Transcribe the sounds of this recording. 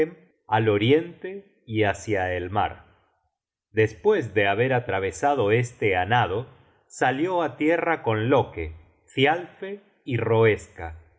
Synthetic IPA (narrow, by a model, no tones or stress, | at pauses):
m | alo̞ɾje̞nt̪e | iasjaelma̰ɾ | d̪e̞spwe̞zðeaβe̞ɾat̪ɾaβ̞e̞saðo̞e̞st̪eanað̞o | saljo̞at̪jerako̞nloke | fjalfe | iro̞eska